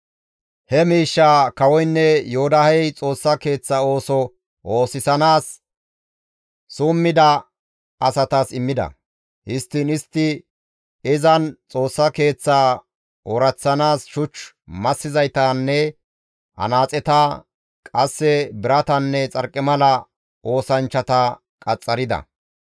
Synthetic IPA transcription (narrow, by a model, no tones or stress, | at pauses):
hɛmiːʃːaːkɐwɔjnːɛjoʊd̪ɐhɛjt͡sʼo̞ːsːɐke̞ːt͡sːɐo̞ːsɔ | ʔo̞ːsɪsɐnaːs | uːmːɪd̪ɐ | ɐsɐt̪asɪmːɪd̪ɐ̰ | hɪst̪ːɪnɪst̪ːɪ | ɪzɐnt͡sʼo̞ːsːɐke̞ːt͡sːaː | ɔɾɐt͡sːɐnaːsʃʊt͡ʃ | mɐsːɪzɐjt̪aːnːɛ | ɐ̰naːt͡sʼɛt̪a | kʼɐsːɛbɪɾɐt̪ɐnːɛt͡sʼɐɾkʼːɪmɐlɐ | ʔo̞ːsɐnt͡ʃːɐt̪ɐ | kʼɐt͡sʼːɐɾɪd̪ɐ̰